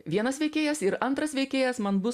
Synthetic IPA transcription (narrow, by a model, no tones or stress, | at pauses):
ʋʲiɛnɐsʋʲɛɪkʲeːjɛsɪɾɐnt̪ɾɐsʋʲɛɪkʲeːjɛsmɐnbʊ